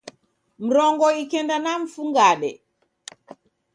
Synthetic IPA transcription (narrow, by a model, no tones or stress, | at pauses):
m̩ɾɔŋɡɔikɛndanam̩fuŋɡaɗɛ̰